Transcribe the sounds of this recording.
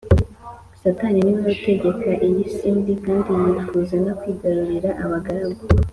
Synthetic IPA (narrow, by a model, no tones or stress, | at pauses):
sataniniβaβute̞ɡe̞kaʔijisiːnbikaːndinat͡ʃu̥kuzanakwiːɡaɾuɾiɾaʔaβaɡaɾaɡo